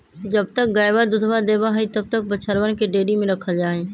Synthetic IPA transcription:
d͡ʒəbt̪ək̚ɡaːjbad̪ʊd̪ʱʋad̪eːbaɦit̪əb̚t̪ək̚bət͡ʃʰəɾʋənkeɖeːɖimẽɾɐkʰəld͡ʒaːɦẽː

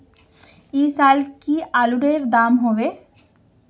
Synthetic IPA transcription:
isalkialuɖeɾd̪amɦɔbe

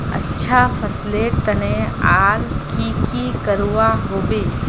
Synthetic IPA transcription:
ə̰tːʃʰafʰəsleʈ̚t̪əneaɾkikikəɾʋaɦobe

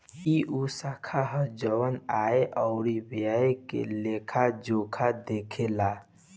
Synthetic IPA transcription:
kiʔusakʰaɦəd͡ʒəwənaːeʔɔʊɾibjaekḛleːkʰad͡ʒoːkʰad̪eːkʰela

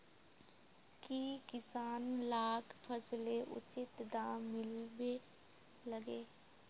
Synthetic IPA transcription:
kiːkɪsaːnlaːkʰpʰəsleʔʊ̰t͡ʃɪt̪d̪ãːmɪlbe | ləɡeː

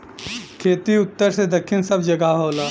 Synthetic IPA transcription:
kʰeːt̪iʊt̪ːəɾsed̪əkʰːɪnsəbʱd͡ʒəɡaɦoːla

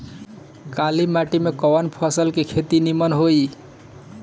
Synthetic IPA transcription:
kalimaʈimekɔwənpʰɔsəlkekʰet̪inimənɦoj

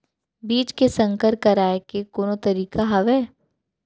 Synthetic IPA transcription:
biːt͡ʃkesɐ̃ŋkəɾkɐɾaːekekoːnot̪ɐɾiːkaɦɐʋɛː

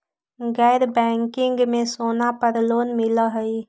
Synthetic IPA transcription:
ɡɛːɾbɛːŋkɪ̃ŋɡmẽsoːnapəɾloːnmɪləɦəi

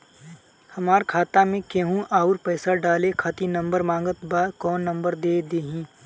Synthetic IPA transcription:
hɐmaːɾkʰaːt̪amẽkeɦũʔaːʊɾpɛːsaɖaːlekʰaːt̪inɐ̃mbəɾmãːŋɡət̪baːkɔːnːɐ̃mbəɾd̪eːd̪eːɦĩː

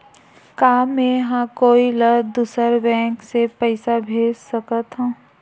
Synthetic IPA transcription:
kaːmmːẽɦãkoːiləd̪usəɾbɛ̃ːksepəɪsabʱeːd͡ʒsəkət̪ɦõː

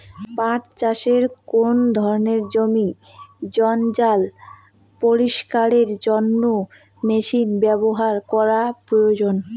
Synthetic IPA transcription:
pãt͡ɕt͡ɕaʃeɾkond̪ʱɔɾoneɾd͡ʑomi | d͡ʑɔnd͡ʑal | poɾiʃkaɾeɾd͡ʑɔnːo | meʃinbɛboɦaɾkɔɾapɾojod͡ʑon

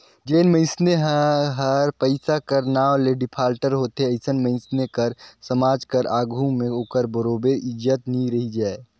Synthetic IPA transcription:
d͡ʒeːnmə̃ɪ̃sneɦɦəɾpəɪsakəɾnaːleɖɪpʰaːlʈəɾɦoːt̪ɦeəɪsənmə̃ɪ̃snekəɾsəmaːd͡ʒkəɾʔaːɡʱũmẽoːkəɾbəɾoːbeʔɪd͡ʒət̪niɾɐɦid͡ʒaːe

